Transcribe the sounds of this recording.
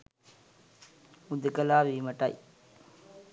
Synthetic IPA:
ud̪əkɐlaːʋiːmɐʈɐ̰j

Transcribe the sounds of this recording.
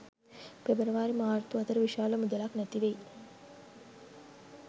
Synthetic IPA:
pebəɾəʋaːɾimaːɾt̪uɐt̪əɾəʋiʃaːləmud̪əlaknæt̪iʋej

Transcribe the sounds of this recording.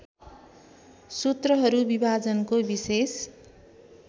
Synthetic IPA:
sut̪rʌɦʌɾubibʱad͡zʌnkobises

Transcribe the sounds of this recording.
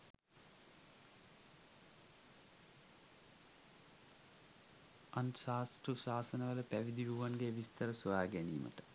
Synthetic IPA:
ɐnsaːsʈusaːsənəʋələpæʋid̪iʋuʋanɡeʋist̪əɾəsuʋaːɡænḭːmə̰ʈə̥

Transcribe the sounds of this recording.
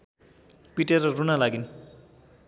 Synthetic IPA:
piʈeɾʌrunalaɡin

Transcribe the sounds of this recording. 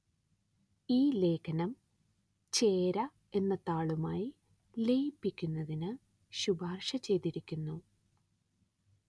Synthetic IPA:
iːle̞ːkʰɐnɐm | t͡ɕeːɾɐ | e̞nːɐt̪aːɭumaːji | le̞jipːikʲːunːɐðinɨ | ɕubaːrʂɐt͡ɕe̞jt̪iɾikʲːunːu

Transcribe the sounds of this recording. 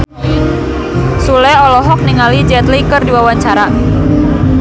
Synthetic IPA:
sulɛɔlɔɦɔk̚niŋalid͡ʒɛt̪likərdiwawaɲt͡ʃaɾa

